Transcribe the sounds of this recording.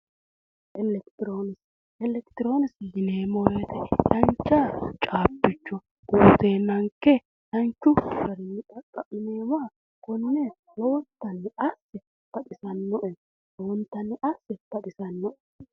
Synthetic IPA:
ʔɛlɛkt̪ɪɾoːnɪs | ɛlɛkt̪ɪɾo̞ːnɪsjɪneːmɔɾet̪ɛt̪ɐnt͡ʃːaːt͡ʃʼaːbːɪt͡ʃːɔ | ʔuːt̪eːnːɐŋkːɛ | t̪ɐnt͡ʃːʊʃɐɾɪnːɪt̪ʼɐkʼːɐʔɪneːwaː | kɔnʊne | loːt̪ːɐnːɛɐsːɛ | tɐt̪ɪsɐnːɔʔɛ | lont̪ːɐnːɛʔɐsːɛtɐt̪ɪsɐnːɔʔɛ

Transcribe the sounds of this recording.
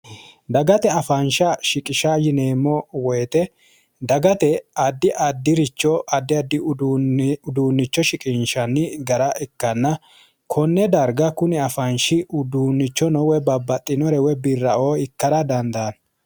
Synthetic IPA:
d̪ɐɡɐt̪ɛɐfɐnʃɐʃɪkʼɪʃajɪneːmːɔwɔjt̪ɛ | d̪ɐɡɐt̪ɛɐd̪ːɪʔɐd̪ːɪɾɪt͡ʃːɔʔɐd̪ːɪɐd̪ːɪ | ʊd̪uːnːɪt͡ʃːɔʃɪkʼɪnʃɐnːɪɡɐɾɐɛkːɐnːɐ | kʰɔnːɛd̪ɐɾɡɐkʊnɪɐfɐnʃɪʔʊd̪uːnːɪt͡ʃːɔnɔwɛbɐbːɐt̪ʼːɪnɔɾɛwɛbɪrːɐoːɪkːɐɾɐd̪ɐnd̪ɐn

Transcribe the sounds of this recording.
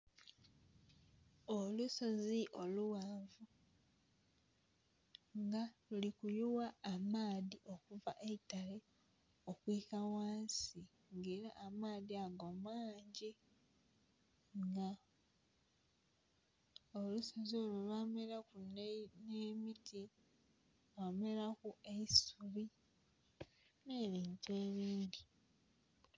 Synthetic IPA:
olusoziʔo̞luwaːɱvu | ŋɡalulikujuwaːmaːðiʔo̞kuvaʔeitale | okwiːkawaːnsi | ŋɡeːɾaʔːmaːðiaɡomaːɲɟe | ŋɡa | olusazoːlolaːmelakunneːmitʰi | wameɾakue̞isuβi | neːɾiːɲceːβiːndi

